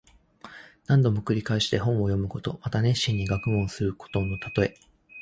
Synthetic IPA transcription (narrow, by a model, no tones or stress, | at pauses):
nãnd̪o̞mo̞kɯ̟ɾʲikaeɕi̥t̪e̞ɦõ̞ɰ̃o̞jo̞mɯ̟ko̞t̪o̞̰mat̪anẽ̞ɕĩɲ̟ːiɡakɯ̟mõ̞ɰ̃sɨɾɯ̟ko̞̥t̪o̞nːot̪at̪o̞e̞